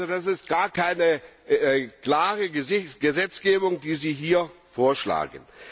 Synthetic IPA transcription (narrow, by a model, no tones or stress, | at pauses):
zodasɪst̚ɡ̥aːɐkʰaɪnə | kl̥aːʁəɡ̥əzɛt͡sɡ̥eːbʊŋdiːziːɦiːɐfoːɐʃla̰ːɡən